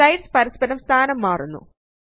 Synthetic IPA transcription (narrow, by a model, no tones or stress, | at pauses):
ɐjɖspɐɾispɐɾɐmst̪ʰaːnɐmːaːrunːṵ